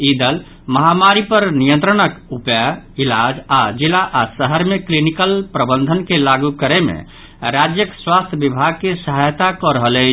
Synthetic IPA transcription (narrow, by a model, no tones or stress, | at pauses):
id̪əl | məɦamaɾipəɾnijə̃nt̪ɾənəkupailad͡ʒad͡ʒilaʔasəɦəɾmeklinikəlpɾəbənd̪ʱənkelaɡukəɾemḛ̃ | ɾad͡ʒjəkswast̪ʰjəbibʱaɡ̚kesəɦajt̪akɔɾəɦəlɛt͡ʃ